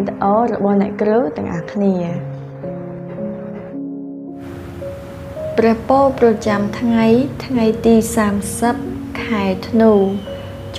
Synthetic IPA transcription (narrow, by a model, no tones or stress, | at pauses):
t̪əʔɑːɾɔ̰ɓɑhnɛ̆əʔkrəwt̪ɛ̆əŋʔaːkʰniə | prɛ̆əhpoːlprɑt͡ɕamt̪ʰŋajt̪ʰŋajt̪iːsaːmsəp̚kʰaɛt̪ʰnuː | t͡ɕ